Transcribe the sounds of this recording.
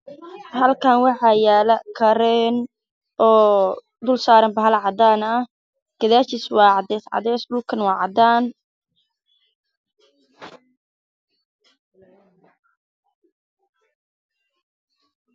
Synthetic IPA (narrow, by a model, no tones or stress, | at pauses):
hɐlkʰaːnwɑħɑːjaːlɐkʰɐɾɛːn | ɔː | d̪ʊlsaːɾɐmbɐɦɐlʕɑd̪aːnɐh | ɡ̥ɐðaːt͡ʃɪswɑːʕɑd̪ɛːsʕɑ̰d̪ɛːsdʊlkʰɐnwɑːʕɑd̪aːn